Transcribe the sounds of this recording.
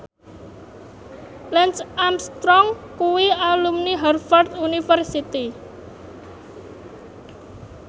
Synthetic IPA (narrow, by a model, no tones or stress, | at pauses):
lɛnsamst̪ɾɔŋkuwialumniɦɛrfɔrt̪unifərsit̪i